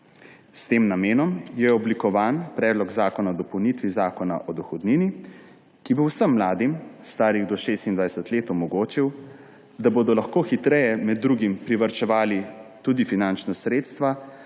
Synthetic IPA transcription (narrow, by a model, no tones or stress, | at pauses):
st̪eːmnameːnɔmjɛɔblikɔʋaːnpɾɛːd̪lɔɡzaːkɔnaɔd̪ɔpɔwnit̪ʋizaːkɔna̰ʔɔd̪ɔxɔd̪niːni | kibowsəmːlaːd̪imst̪aːɾiɣd̪ɔʃeːst̪ind̪ʋajsət̪leːt̪ɔmɔɡoːt͡ʃiw | d̪abod̪ɔlaxkoːxit̪ɾɛjɛmɛd̪ːɾuːɡimpɾiʋəɾt͡ʃɛʋaːlit̪ud̪ifinant͡ʃnasɾeːt̪st̪ʋa